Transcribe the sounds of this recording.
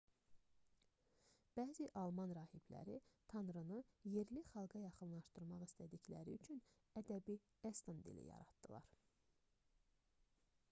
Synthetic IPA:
b̥æːziʔɑlˠmɑnɾɑːhiblæ̰ɾit̪ʰɑnɾɯnɯje̞ɾliχɑlˠɡɑjɑχɯnlˠɑʃt̪ɯɾmɑʁist̪ʰæd̪içlæ̰ɾiyt͡ʃʰyn | æd̪æbi | est̪ɑnd̪ḭlḭjɑ̰ɾɑ̰d̪̥d̪̥ɯlˠɑ̰ɾ̥

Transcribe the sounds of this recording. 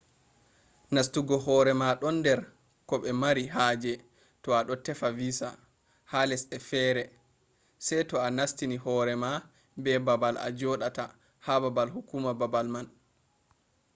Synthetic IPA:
nastuɡɔhɔːɾɛmaɗɔndɛɾ | kɔɓɛmaɾiɦad͡ʒɛ | tɔaɗɔtɛfavisa̰ | halɛsɛfɛːɾɛ | sɛjtɔanastinihɔɾɛma | bɛbabala̰d͡ʒɔɗata | hababalhukuːmababalman

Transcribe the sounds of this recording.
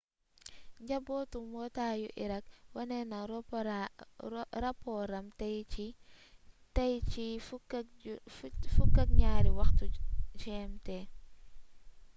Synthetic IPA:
ɲɟɐbɔtumbɔtaːjṵʔḭɾɐkwɐnɛnɐɾ | ɾapːɔɾɐmtɛji | tɐjt͡ʃi | fukːɐk̚ɲaːɾiwɐxtut͡ʃɛːmtɛ

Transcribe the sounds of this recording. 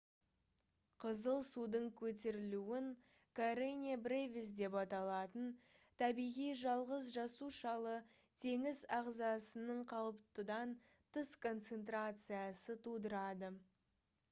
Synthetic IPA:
qʰəzəlˠsud̪əɴkʲʰɵt̪e̞ɾɪluɪŋ | kʰaɾenʲebrevʲisd̪e̞pɑt̪ɑlˠɑt̪ən | t̪ʰɑbijʁijʒɑlˠʁəz̬ʒɑsuʃɑlˠə | t̪ʰe̞ŋɪzɑʁzɑsənəɴqʰɑlˠəpt̪əd̪ɑn | t̪ʰəskʰo̞nt̪se̞nt̪ɾat̪sɨjɑsət̪ʰud̪əɾɑd̪ə

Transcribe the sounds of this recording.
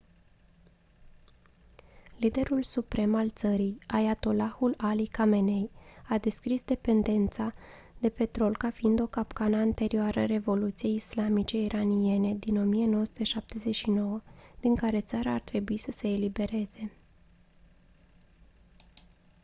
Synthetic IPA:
lid̪e̞ɾulsupɾe̞malt̪səɾijajat̪o̞laxulalikame̞ne̞jad̪e̞skɾisd̪e̞pe̞nd̪e̞nt̪sa | d̪̥e̞pe̞t̪ɾo̞lkafiind̪o̞kapkanəant̪e̞ɾioaɾəɾe̞vo̞lut̪sije̞jislamit͡ʃe̞iɾʔanie̞ne̞d̪ino̞mije̞no̞wəsut̪eʃap̚t̪e̞ze̞ʃino̞wəd̪̥iŋkaɾe̞t̪saɾaːrt̪ɾe̞buisəse̞ːlibe̞ɾe̞z̥e̞

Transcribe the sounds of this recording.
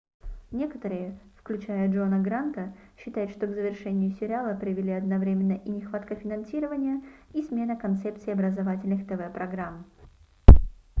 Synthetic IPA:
nʲe̞kə̥t̪əɾɨjəfklʲʉt͡ɕæjəʐo̞nəɡɾant̪əɕːɪt̪ajʊt̪ʂt̪o̞ɡzəvʲɪrʂɛnʲɪjʊsʲɪɾʲɪalˠəpɾʲɪvʲɪlʲiɐd̪nɐvɾʲemʲɪnːəʔinʲɪxvat̪kəfʲɪnɐnsʲiɾəvənʲɪjəismʲe̞nəkɐnt̪sɛp̚t̪sɨɪɐbɾəzɐvatʲɪlʲnɨxt̪ɛvɛpɾɐɡɾam

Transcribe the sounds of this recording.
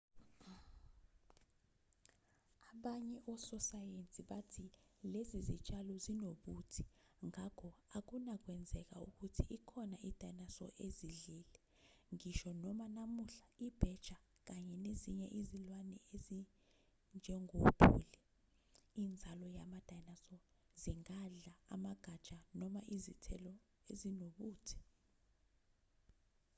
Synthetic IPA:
aɓaɲɛʔɔsɔsajent͡sʼiɓatʰilezizit͡ʃʼalɔzinoɓutʰi̥ŋakʰɔak̬unak̬wɛnd͡zʱɛk̬auk̬utʰiʔikʰɔnaʔid̥ʱanasɔ̰ʔeziɮiːlɛ | ŋiʃɔnɔmanamuɬaib̥ʱɛd̥ʒ̥ʱa | k̬aɲɛneziɲɛʔizilwanɛezi | nd͡ʒʱɛŋob̥ʱṵːli | iːnd͡zʱalɔjamad̥ʱajnasɔ | ziŋaɮaamaɡ̥ʱad̥ʒ̥ʱanɔmaʔizitʰɛ̰lɔ | ezinoɓuːtʰɛ̥

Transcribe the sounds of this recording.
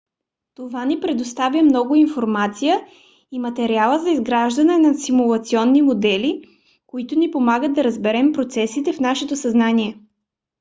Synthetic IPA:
t̪ovanipɾɛd̪ost̪avʲjəmnɔɡʊinfoɾmat̪sijə | imɐt̪ɛɾialˠəzɐizɡɾaʒd̪ɐnɛnɐsimulˠɐt̪siɔnːimod̪ɛli | koit̪ʊnipomaɡət̪̚d̪ɐɾəzbɛɾɛmpɾot̪sɛsit̪ɛfnaʃɛt̪osɐznaniɛ

